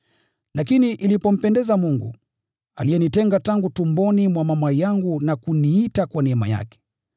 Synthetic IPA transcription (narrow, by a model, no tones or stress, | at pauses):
lakiniʔilipɔm̩pɛndɛzamuŋɡṵ | alijɛnitɛŋɡataŋɡutumbɔnimwamamwajaŋɡunakuniitakwanɛma̰ja̰kɛ̥